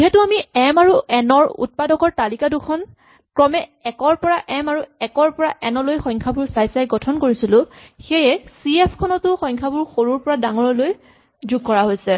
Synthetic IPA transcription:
ziɦɛtʊamiɛmaɹuɛnɔɹṵt̚padɔkɔɹtalikadʊkʰɔn | kɹɔmɛɛkɔɹpɔɹaʔɛmaɹuɛkɔɹpɔɹaʔɛnɔlojxɔjŋkʰabʊɹsajsajɡɔtʰɔnkoɹisilʊ̃xejɛsiɛpʰkʰɔnɔtʊxɔjŋkʰabʊɹxoɹuɹpɔɹadaŋɔɹɔloj | zuɡ̚kːɔɹaɦojsɛ

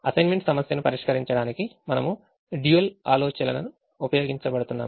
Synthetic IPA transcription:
ɐsɐjnmeɳʈsɐmɐsjɐnupɐɾiʂkɐɾiɲt͡ʃɐɽaːnikimɐnɐmu | ɖjiʋɐla̰ːloːt͡ʃɐlɐnɐnu | upɐjo̞ːɡiɲt͡ʃɐbɐɽut̪unːa̰ː

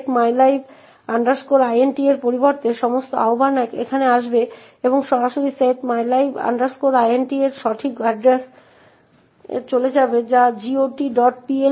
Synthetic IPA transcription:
ʈmajlajb | aɳɖaɾskoɾajenʈieɾpoɾiboɾt̪eʃɔmost̪oa̰obanakḛkʰaneaʃbe | eboŋʃɔɾaʃoɾiseʈmajlajbʱa̰ɳɖaɾskoɾajenʈieɾʃɔʈʰikaɖɾes | t͡ɕoled͡ʑabed͡ʑad͡ʑioʈiɖɔʈpie

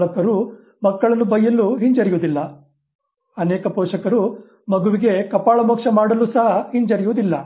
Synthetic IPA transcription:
ɭɐk̪ːɐɾu | mɐkːɐɭɐnːubɐjːɐlːuɦiɲd͡ʒɐɾijud̪ilːɐ | ɐnɛːkɐpoːʂɐkɐɾu | mɐɡuʋiɡe̞kɐpaːɭɐmoːkʂɐmaːɽɐlːusɐɦɐhiɲd͡ʒɐɾijuʋud̪ilːɐ

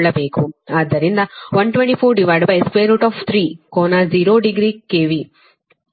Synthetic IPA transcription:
ɭːɐbeːkuaːd̪ːɐɾind̪ɐʋɐɳʈʋẽɳʈiːpʰoːɾɖiʋaːɖbɐjskʋeːɾuːʈɔːft̪ʰɾiːkoːnaziːɾoːɖiɡɾiːkeːʋi

